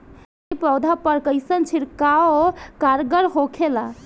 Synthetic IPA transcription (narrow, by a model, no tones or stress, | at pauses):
ipɾəwd̪ʱapəɾkəɪsənt͡ʃʰiɾkaokaɾɡəɾɦokʰela